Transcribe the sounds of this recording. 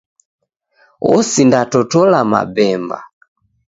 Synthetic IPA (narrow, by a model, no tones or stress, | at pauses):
ɔsindatɔtɔlama̰bɛmba̰